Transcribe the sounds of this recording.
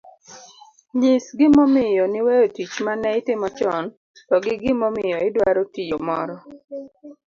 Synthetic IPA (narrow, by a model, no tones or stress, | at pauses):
ɲɪsɡɪmɔmɪjɔnɪwejotit͡ʃmanɛɪtɪmɔt͡ʃɔn | tɔɡɪɡɪmɔmɪjɔɪdwaɾotijomɔɾɔ